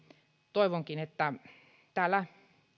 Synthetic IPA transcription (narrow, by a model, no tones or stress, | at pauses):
t̪oiʋoŋkinet̪ːæ | t̪æːlːˑæ